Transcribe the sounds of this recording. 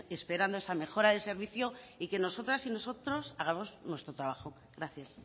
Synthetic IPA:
e̞spe̞ɾand̪oesame̞xo̞ɾaðese̞ɾβiθjo̞ike̞no̞so̞t̪ɾasino̞so̞t̪ɾo̞saɣ̞amo̞znwe̞st̪ɾot̪ɾaβaxo̞ | ɡɾaθjas

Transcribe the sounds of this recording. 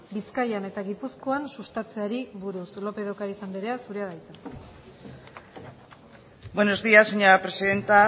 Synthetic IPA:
biskajane̞t̪aɣipusko̞ansust̪at͡se̞aɾiβuɾuslo̞pe̞ðokaɾisambeɾe̞asuɾeaɾajt͡sa | bwenozd̪iaseɲoɾapɾesiðe̞nt̪a

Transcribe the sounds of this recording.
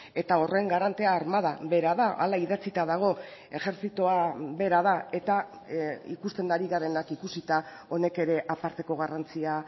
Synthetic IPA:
e̞t̪ao̞reŋɡaɾant̪eaːɾmaðaβe̞ɾaðaʔa̰laiðat͡sit̪aðaɣ̞o̞e̞xe̞ɾθit̪oaβe̞ɾað̞ae̞t̪a | ḭkust̪e̞nd̪aɾiɣaɾe̞nakikusit̪a | o̞ne̞ke̞ɾe̞ʔapaɾt̪e̞ko̞ɣarant͡sia

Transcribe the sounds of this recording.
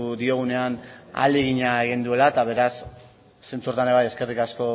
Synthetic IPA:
uðio̞ɣ̞une̞ana̰leɣ̞iɲaeɣ̞ind̪ue̞lat̪aβ̞e̞ɾasː | e̞nt͡surt̪aneβajeske̞rikasko̞

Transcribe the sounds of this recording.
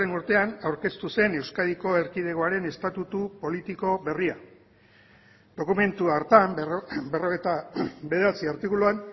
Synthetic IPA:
enuɾt̪e̞anawɾke̞st̪use̞ne̞wskaðiko̞e̞ɾkið̞e̞ɣoaɾe̞ne̞st̪at̪ut̪upo̞lit̪iko̞βe̞ria | d̪̥o̞kume̞nt̪uaɾt̪ambe̞ro̞ɣet̪abe̞ð̞eɾat͡siaɾt̪ikuluan

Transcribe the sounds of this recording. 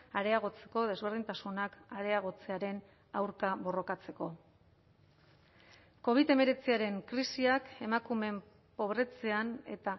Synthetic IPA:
aɾe̞aɣ̞o̞t͡se̞̥ko̞ð̞e̞zβe̞ɾðint̪asunakaɾe̞aɣ̞o̞t͡se̞aɾe̞n | awɾkaβo̞ro̞kat͡se̞ko̞ | ko̞β̞iðe̞me̞ɾe̞t͡siaɾe̞ŋkɾisiake̞makume̞m | po̞βɾe̞t͡se̞ane̞̰t̪a

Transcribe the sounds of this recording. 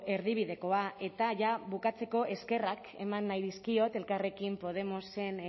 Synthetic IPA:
ʔe̞ɾðiβ̞iðe̞ko̞aʔe̞t̪aʝaβukat͡se̞ko̞ʔe̞ske̞rak | e̞̰manːajðiskio̞t̪e̞lkare̞kimpo̞ð̞e̞mo̞se̞n

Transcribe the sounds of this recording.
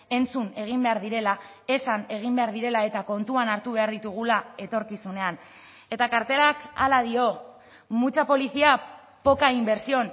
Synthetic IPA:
e̞nt͡sune̞ɣ̞imbe̞aɾðiɾe̞la | e̞sane̞ɣ̞imbe̞aɾðiɾe̞lae̞t̪ako̞nt̪uanaɾt̪uβ̞e̞aɾðit̪uɣ̞ulae̞t̪o̞ɾkisune̞an | e̞t̪akaɾt̪e̞ɾaka̰lað̞io̞ | mut͡ʃapo̞lisia | po̞kaimbe̞ɾsio̞n

